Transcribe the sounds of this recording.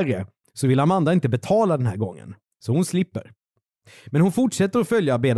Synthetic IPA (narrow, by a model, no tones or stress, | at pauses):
ɾjə | sɔvɪlːamand̪aɪnt̪əbɛt̪ʰɑːlad̪ɛnɦæ̰ːɾɡɔŋːə̰n | sɔhʊnslɪpːə̰ɾ | mɛnhʊnfʊʈʂɛt̪ːəɾɔfœljabeːd̪